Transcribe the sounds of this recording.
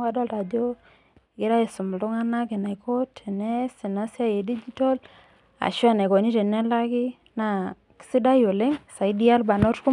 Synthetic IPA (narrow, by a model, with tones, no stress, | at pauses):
a˦dɔ˦lta˨d͡ʒo˦ | ɡɪ˦ɾa˦e˨sʊ˨m˨ldʊ˦ŋa˦na˦ke˨na˨jko˦tʰe˨nɛ˦si˨na˦sja˦je˨di˦d͡ʒi˦tɔ˦l | a̰˨ʃwa˦˨na˨ko˨ni˦te˨nɛ˦la˦ki˦ | na˨ | ki̥˦si˦da˦jo˨le˦ŋsa˨i˦di˦a˦lba˨no˦tku˦